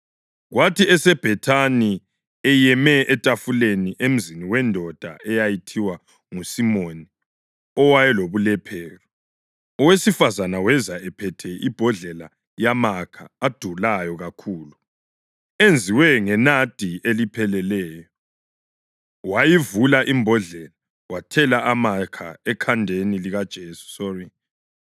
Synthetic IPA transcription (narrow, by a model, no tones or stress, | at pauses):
ɣwatʰiɛsɛb̥ʱɛtʰani | ɛjɛmɛɛtʼafuleniʔem̩ziniwɛndʱɔd̥ʱa̰ɛjajitʰiwa | ŋusimoni | ɔwajɛloβulɛpʰɛːɣɔ | ɔwesifazanawɛzaɛpʰɛtʰɛib̥ʱɔɮɛla | jamakʰa̰ːd̥ʱulajɔɣakʰuːlu | end͡zʱiwɛŋɛnad̥ʱielipʰɛlɛlɛːjɔ | wajivulaʔimbʱɔɮɛla | watʰɛlaʔamakʰa̰ɛkʰandʱeniliɣad̥ʒ̥ʱeːsu̥sɔri